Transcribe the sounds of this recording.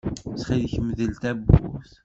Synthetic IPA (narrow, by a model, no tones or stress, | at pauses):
sχiðçmðəlt̪æbːṵθ